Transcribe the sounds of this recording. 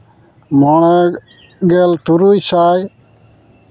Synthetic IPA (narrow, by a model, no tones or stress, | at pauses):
mɔɽ̃ɛ | ɡɛltuɾujsaj